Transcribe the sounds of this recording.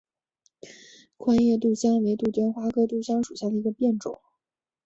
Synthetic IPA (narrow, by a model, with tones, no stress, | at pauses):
kʰwa˥njɛ˥˧t̪̬u˥˩ɕjɑ˥ŋwe˧˥ɪt̪u˥˩t̪jɛ˥nxwa˥kɤ˥t̪u˥˩ɕjɑ˥ŋʂu˨˩ɕja˥˩d̪ə˩i˧˥ɡə˧pjɛ˥˩nʈ͡ʂʊ̰˨˩˦ŋ